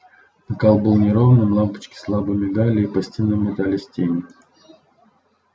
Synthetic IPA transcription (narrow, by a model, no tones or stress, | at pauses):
nəkalˠbəlˠnʲɪɾovənɨmlˠampə̥t͡ɕkʲɪ̥slˠabɨmʲɪd̪alʲɪːpɐsʲtʲinːɨmʲːɪt̪alʲɪsʲtʲenʲɪ